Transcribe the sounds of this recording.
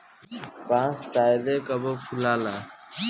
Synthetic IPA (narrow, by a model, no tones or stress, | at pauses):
pãːsaːjd̪eːkəboːpʰʊlaːlaː